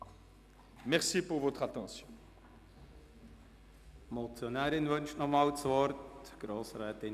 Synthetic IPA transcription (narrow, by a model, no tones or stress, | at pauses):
mɛʁsipuʁvot̪χat̪ɑ̃sjɔ̃ | mɔt͡sjɔnɛːɾɪnvœnʃnɔχmaːlt͡svɔɾtɡ̥ɾoːsʁɛːt̪ɪn